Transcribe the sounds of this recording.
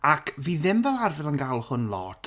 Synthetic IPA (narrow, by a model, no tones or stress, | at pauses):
akʰviːðɪmvɛlˠarvɛlˠanɡalˠhʊnlˠɔːtʰ